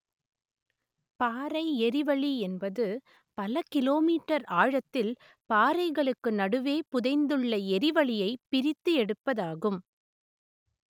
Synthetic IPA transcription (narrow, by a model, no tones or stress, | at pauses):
paːɾɐɪɛɾɪʋɐɭiɛnbɐðɯ | pɐlɐkɪloːmiːʈːɐɾaːɻɐt̪ːɪl | paːɾɐɪɣɐɭɯkːɯnɐɽɯʋeːpʊðɐɪnd̪ɯɭːɐɛɾɪʋɐɭɪjɐɪpɪɾɪt̪ːɯɛɽɯpːɐðaːɣɯm